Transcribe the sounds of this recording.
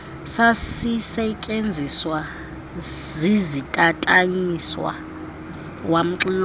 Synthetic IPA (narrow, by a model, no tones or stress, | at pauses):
sasisɛt͡ʃʼend͡zʱiswa | zizitʼatʼaɲiswa̰ | wam̩ǁil